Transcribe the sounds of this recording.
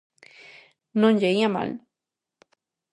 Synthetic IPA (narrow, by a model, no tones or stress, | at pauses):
nõnʎeiama̰l